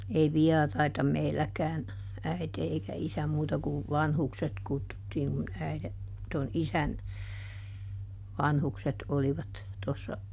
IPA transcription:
ei ʋiɛrɑitɑ meilːækæːn æite eikæ isæ muːtɑ ku ʋɑnhukset kutːutːiːŋ kun æiðe ton isæn ʋɑnhukset oliʋɑt tosːɑ

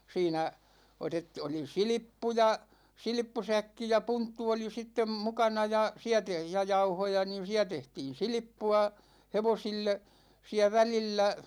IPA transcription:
siːnæ otet oli silipːujɑ silĭpːusækːi jɑ puntːu oli sitːem mukɑnɑ jɑ siæ te jɑ jɑuhojɑ niːn̞ siæ tehtiːn̞ silĭpːuɑ heʋosilːe siæ ʋælilːæ

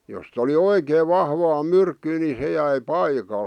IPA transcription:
jost oli oikeːʋ ʋɑhʋɑː myrkːyː ni se jæi pɑikɑl

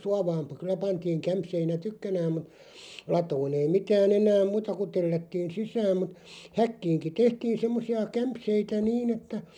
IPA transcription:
suɑʋɑːm pə kylæ pɑntiːŋ kæmpseinæ tykːænæːm mut lɑtoːn ei mitæːn enæːm̆ muːtɑ ku telːætːiːn̞ sisæːm mut hækːiːŋki tehtiːn̞ semːosiɑ kæmpseitæ niːn etːæ

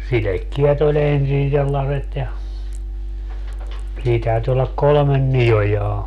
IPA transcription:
silekːiɛt olʲ ensin selːɑset jɑ siː tæyty olːɑk kolŏmen nij̆ojɑː

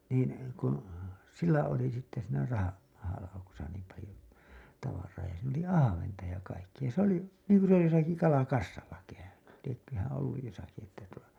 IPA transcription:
niːn kun silːæ oli sitːe siːnæ rɑhɑ mɑhɑlɑukusɑ niːm pɑlĭjo tɑʋɑrˑɑː jɑ siːn oli ɑhɑʋentɑ jɑ kɑikːij̆ɑ se oli niːŋku se josɑki kɑlɑkɑsːɑlːɑ kæyny liekːøhæ̃ː olːuj josɑki etːæ tuo

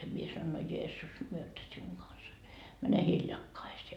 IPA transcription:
mie sɑnoin no jeːsːus myøtæ siuŋ ɡ̊ɑnsɑ mæne hiljɑkːɑiseː

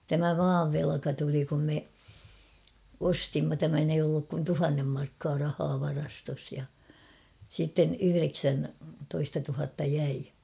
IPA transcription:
tæmæ mɑːʋ ʋelɑ̆kɑ tuli kum me ostimːɑ tæmæn eij olːuk kun tuhɑnːem mɑrkːɑː rɑhɑː ʋɑrɑstos jɑ sitːen yhyreksæntoistɑ tuhɑtːɑ jæi

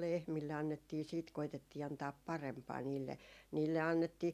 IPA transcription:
lehmilːe ɑnːetːiː siːt koitetːiː ɑntɑːp pɑrempɑː niːlːe niːlːe ɑnːetːiː

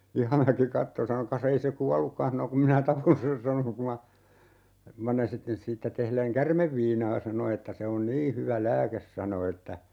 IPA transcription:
ihɑmæki kɑtːo sɑno kɑs ei se kuɑlːukːɑn hɑno kum minæ tɑpon sen sɑno ku mɑ siːtːæ tehleŋ kærmeʋːiːnɑː sɑno etːæ se on niː hyʋæ læːkes sɑno etːæ

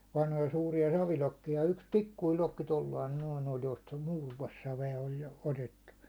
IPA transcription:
ʋɑnhojɑ suːrijɑ sɑʋilokːijɑ jɑ yks pikːuil lokːi tolːɑin noin olʲ jostɑ muːruɒsːɑʋeɑ olʲ jo otetːu

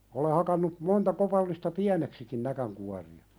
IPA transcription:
ole hɑkɑnːu montɑ kopɑlːistɑ piæneksikin nækæŋkuɑriɑ

